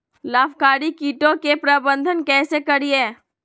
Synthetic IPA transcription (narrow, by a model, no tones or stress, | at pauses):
laːpkaːɾikiːʈõkepɾabə̃nd̪ʱənkɛːsekɐɾieː